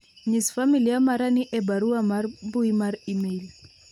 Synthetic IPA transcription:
ɲisfamilijamaɾaniʔɛbaɾuamarbuimaɾimel

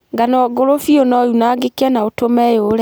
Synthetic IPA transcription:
ŋɡanɔɡoɾofionɔunaɡekɛnaotomɛjoɾɛ

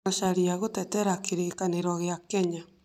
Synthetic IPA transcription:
aʃaɾiaɣotɛtɛɾakeɾekaneɾɔɣeakɛɲa

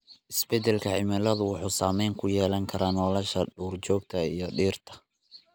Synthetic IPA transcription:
ʔɪsbɛd̪ɛlkʰɐʕɪmɛlɐðʊwɑħuːsaːmɛjŋkʰʊjɛːlɐŋkʰɐɾaːnɔːlɐʃɐɖuːrt͡ʃɔːɡ̚t̪ʰɐijɞɖiːrt̪ʰɐ̥

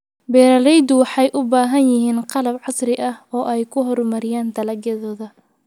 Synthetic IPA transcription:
bɛːɾɐlɛjd̪ʊwɑħɑjʔʊbaːɦɐnjɪɦiːnqɑlɐbʕɑsrɪʔɐhɔːʔɛjkʰʊɦɔrmɐɾɪjaːnd̪ɐlɐɡjɐðɔːðɐ

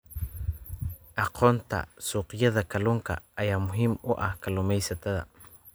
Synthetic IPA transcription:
ʔɑqʰɔːnt̪ʰɐ̰suːqɪjɐðɐkʰɐluːŋkʰɐ̰ːjaːmʊɦiːmʊʔɐ̰hkʰɐlʊmɛjsɐt̪ʰɐðɐ̰

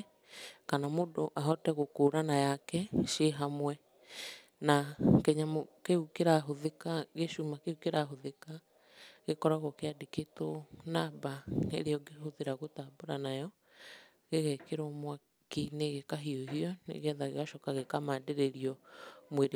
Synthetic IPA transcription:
kanamodoʔaɦɔtɛɣokoːɾanajakɛʃeɦamwɛ | nakɛɲamokeukeɾaɦoðekaɣeʃumakeukeɾaɦoðeka | ɣekɔɾaɣɔkeadeketonabaḛɾeɔɡehoðeɾaɣotaboɾanajɔ | ɣeɣɛkeɾɔmwa | kineɣekaɦioɦiɔnḛɣeɛðaɣeɣaʃɔkaɣekamadeɾeɾiɔmweɾ

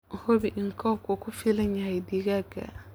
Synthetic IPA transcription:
hobiʔŋ̩kʰɔkokʊfileɲajɪdiɡaɡa̰

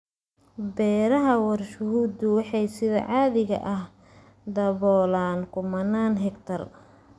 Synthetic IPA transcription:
bɛːɾɐɦɐwɑrʃʊɦuːd̪ʊwɑħɑjsɪðɐ̰ʕɑːðɪɣɐ̰ʔɐh | d̪ɐβɔːlaːnkʰʊmɐnaːnɦɛkt̪ʰɐr

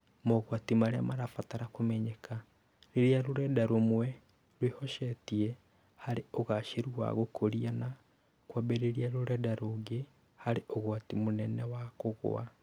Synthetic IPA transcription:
mɔɣwatimaɾeamaɾafataɾakomɛɲɛkʰa | ɾeɾeaɾoɾɛdaɾomwɛ | ɾwehɔʃɛtiɛ | haɾeoɣaʃeɾua̰ɣokoɾiana | kwabeɾeɾiaɾoɾɛdaɾoɡe | haɾeʔoɣwatimonɛnɛwakoɣo̰a̰

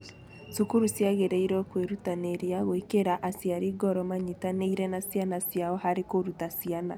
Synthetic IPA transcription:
sukuɾusjaɣeɾɛiɾɔkweɾutaneɾjaɣwekeɾaʔasjaɾiɡɔɾɔmaɲitaneiɾɛnasianasjaɔhaɾekoɾutasiana̰

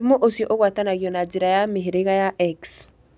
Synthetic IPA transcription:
moʔosjɔʔoɣwatanaɣjɔnad͡ʒeɾajameɦeɾeɣajaʔɛks

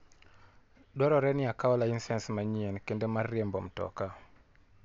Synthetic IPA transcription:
ɗɔɾɔɾɛnɪakaɔlainsɛnsmaɲienkendemarːiembɔmtɔ̰ka

